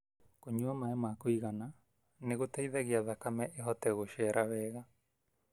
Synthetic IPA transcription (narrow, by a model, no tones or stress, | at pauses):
koɲuamaɛmakoiɣana | neɣotɛiðɛɣeaðakamɛʔeɦɔtɛɣoʃɛɾʔaβɛːɣa